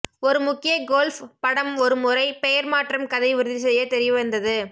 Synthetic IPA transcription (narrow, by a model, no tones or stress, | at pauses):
ɔɾɯmʊkːɪjɐɡoːlfpɐɽɐmɔɾɯmʊrɐɪpɛjɐɾmaːʈrɐmkɐðɐɪʋɪɾɯðɪs̬ɐjɐt̪ɛɾɪjɐʋɐnd̪ɐðɯ